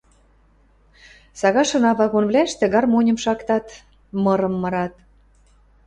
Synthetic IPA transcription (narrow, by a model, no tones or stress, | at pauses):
sɑɣɑʃɤ̆nɑβɑɣonβlʲæeʃt̪ĕɣɑrmonʲə̆mʃɑkt̪ɑt̪ | mɤ̆ɾɤ̆mːɤ̆ɾɑt̪